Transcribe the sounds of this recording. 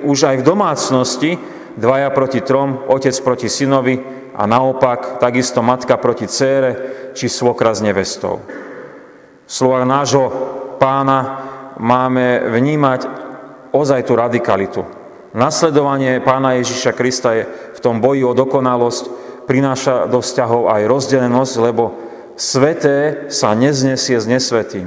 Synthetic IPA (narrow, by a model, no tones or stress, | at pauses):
uʒajvd̪ɔmaːt͡snɔsci | d̪ʋajapɾɔcit̪ɾɔmɔcɛt͡spɾɔcisinɔʋi | a̰naɔpakt̪aɡist̪ɔmat̪kapɾɔcit͡sɛːɾɛt͡ʃisʋɔkɾazɲɛʋɛst̪ɔ̰ʊ | fslɔʋaɣnaːʒɦɔpaːnamaːmɛʋɲiːmac | ɔzajt̪uɾad̪ikalit̪u | naslɛd̪ɔʋaɲɪɛpaːnajɛʒiʃakɾist̪ajɛft̪ɔmbɔjiɔd̪ɔkɔnalɔscpɾinaːʃad̪ɔfscaɦɔʊajɾɔzɟɛʎɛnɔzɟlɛbɔ | sʋɛt̪ɛːsaɲɛzɲɛsɪɛzɲɛsʋɛt̪iːm